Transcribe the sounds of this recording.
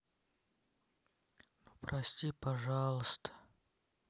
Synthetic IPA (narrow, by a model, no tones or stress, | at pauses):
prʔɐsʲtʲipɐʐɑlˠəst̪ə̥